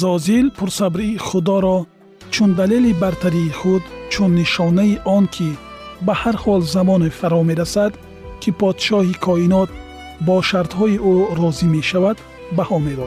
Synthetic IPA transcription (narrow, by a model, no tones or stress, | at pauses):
zɔzilpʰuɾsabɾiːχud̪ɔɾɔ | t͡ʃʰund̪alelibaɾt̪ʰaɾiːχud̪t͡ʃʰunːiʃɔnaiʔɔnkʰi | bahaɾhɔlzamɔnefaɾɔmeɾasad̪ | kʰipʰɔd̪ʃɔhikʰɔinɔt̪̚ | bɔʃaɾt̪hɔiuɾɔzime̞ʃavad̪ | bahɔmebɔ